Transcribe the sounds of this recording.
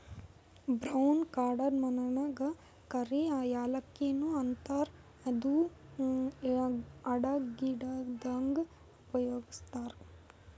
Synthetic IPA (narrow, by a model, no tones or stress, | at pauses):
bɾɐwnkaːɾɖɐɾmɐnɐɳɐɡɐ | kɐɾeaːjaːlɐkːenuɐnt̪aːɾ | ɐd̪u | ɐɽaɡiɖad̪ɐŋɡ | upɐjoːɡist̪aːɾ